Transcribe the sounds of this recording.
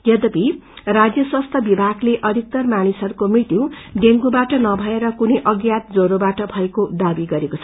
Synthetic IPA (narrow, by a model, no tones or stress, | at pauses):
jʌd̪ʌpirad͡zjʌswʌst̪ʰʌbibʱaɡleʔʌd̪ʱik̚t̪ʌrmanisʌɾukomrit̪iw̃ɖeŋɡubaʈʌnʌbʱʌeɾʌkunejʔʌɡjat̪̚d͡zoɾobaʈʌbʱʌekod̪abiɡʌɾekot͡sʰʌ̥